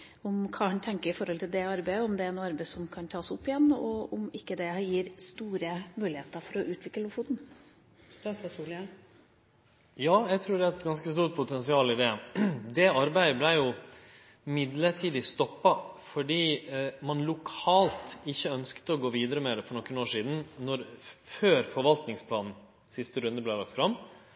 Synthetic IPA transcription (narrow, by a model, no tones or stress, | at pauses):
ʊmkʰɑːhɑnt̪ʰɛŋkəɾɪfɔɾhɔlt̪ʰɪld̪ɛɑɾbæɪəɔmd̪ɛæɾɛnːɑɾbæɪsɔmkʰɑnt̪ʰɑːsʊpːɪjɛnːɔɔmɪkːəd̪ɛjiːɾst̪uːɾəmʉːlɪheːt̪əɾfɔɾɔʔʉːt̪ʰʋɪkləlʊfuːd̪n̩ | jɑːjæɪt̪ʰɾʉːɖɛæɛt̪ɡɑnskəst̪uːɾʈ̚pʰʊt̪ʰɛnsɪɑːlɪd̪ɛd̪ɛɑɾbæɪəblæɪjʊ | mɪd̪ləʈʰiːd̪ɪst̪ɔpːɑfɔɖiːmɑnlʊkʰɑːlt̪ɪçːəœnskt̪əɔɡoːʋiːd̪əɾəmɛd̪ɛfɔɳɔkːənoːʂiːd̪n̩nɔɾføːɾfɔɾʋɑlt̪nɪŋspʰlɑːnn̩ | sɪst̪əɾʉnd̪əblæɪlɑkt̪fɾɑm